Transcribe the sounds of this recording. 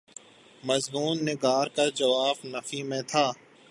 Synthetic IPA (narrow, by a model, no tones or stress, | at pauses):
mɐzmuːnːɪɡaːɾkad͡ʒɐʋaːfnɐfimẽt̪ʰaː